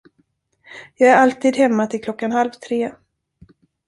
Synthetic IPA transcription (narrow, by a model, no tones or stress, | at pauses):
jɑːɡæɾalt̪ʰiːd̪hɛmːat̪ʰɪlkʰlɔkːanhalvt̪ʰɾeː